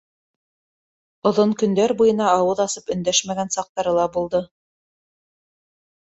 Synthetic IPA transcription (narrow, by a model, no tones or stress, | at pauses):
ŏðoɴkɵ̆nd̪æɾbujɤ̆nɑːwɤðɑsɤpɵ̆nd̪æʃmæɡænsɑq̚t̪ɑɾɤlˠɑbulˠd̪ɤ